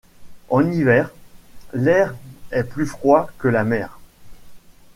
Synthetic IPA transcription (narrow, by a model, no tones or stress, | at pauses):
ɑ̃nivɛːʁlɛʁɛplyfχwakəlamɛːʁ